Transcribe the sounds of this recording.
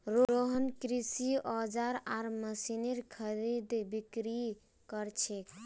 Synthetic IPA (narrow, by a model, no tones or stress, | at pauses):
ɾoɾoɦənkɾisiɔd͡ʒaɾaɾməsineɾkʰəɾid̪bikɾi | kəɾt͡ʃʰek